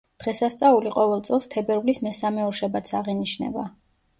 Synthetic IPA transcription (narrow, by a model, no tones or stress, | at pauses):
d̪̥ʁɛsast̪sʼauliqʼɔvɛlˠt̪sʼɛlˠst̪ʰɛbɛɾvlismɛsamɛɔɾʃabat̪sʰaʁiniʃnɛ̰ba